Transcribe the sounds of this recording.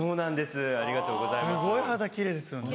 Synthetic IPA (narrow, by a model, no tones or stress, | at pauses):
so̞ːnãnd̪e̞sɨaɾʲiɡat̪o̞ːɡo̞zajɨɡo̞ihad̪akʲiɾe̞ːd̪esɨjo̞ne